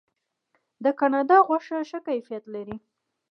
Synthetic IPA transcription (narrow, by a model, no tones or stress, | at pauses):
d̪əkanɑd̪ɑɣwaʂəʃəkajfijat̪laɾi